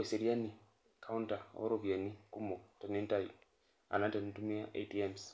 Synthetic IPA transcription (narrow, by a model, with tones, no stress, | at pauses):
we˨seɾia˦ni˨ | kʰa˦unta˨o̰˦ɾovia˨ni˦ku˦mɔ˨tɔ˨ne˦nta˨i | a̰˨na˦nta˨ntu˦mi˦aʔḛ˦tiɛms